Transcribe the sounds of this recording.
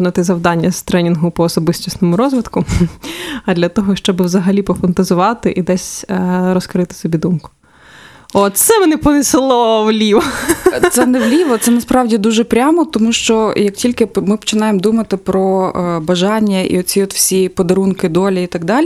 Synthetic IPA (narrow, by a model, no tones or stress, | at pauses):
nɐt̪ɪzɐwd̪ɑnʲːɐzt̪ɾɛnʲinɦʊpɔːsɔbɪsʲtʲisnɔmʊɾɔzʋɪt̪kʊ | ɐd̪lʲɐt̪ɔɦɔʃt͡ʃɔbɨwzɐɦɐlʲipɔfɐnt̪ɐzʊʋɑt̪ɪʔid̪ɛsʲɾɔskɾɪt̪ɪ̥sɔbʲid̪umkʊ̥ | ɔsɛmɛnɛpɔnɪsɪlˠɔwlʲiʋɐt̪sɛnɛʋlʲiʋɔt̪sɛnɐspɾɑwdʲid̪uʒɛpɾʲamɔt̪ɔmuʃt͡ʃɔjɐk̚tʲilʲkɪmɪpɔ̥t͡ʃɪnɑjemd̪umɐt̪ɪpɾɔbɐʒɑnʲːɐḭɔt͡sʲiɔt̪wsʲipɔd̪ɐɾunkɪd̪ɔlʲiit̪ɑɡd̪ɑlʲ